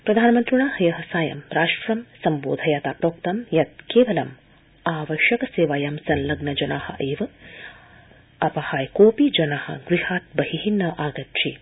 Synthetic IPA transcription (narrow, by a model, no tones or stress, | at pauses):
pɾɐd̪ʱaːnɐmɐnt̪ɾuɳaːhɐjɐɦɐsaːjɐ̰mɾaːʂʈɾɐmsɐmbo̰ːd̪ʱɐjaːt̪aːpɾoːk̚t̪ɐmjɐt̪̚keːʋɐlɐm | aːʋɐʃɐkɐseːʋaːjɐmsɐnlɐɡnɐd͡ʒɐnaːhɐ̰ʔeːʋɐ | ɐpɐhaːjkoːpid͡ʒɐnaːhɐ̰ɡɾihaːt̪̚bɐɦiɦinːɐʔaːɡɐt̪ʂi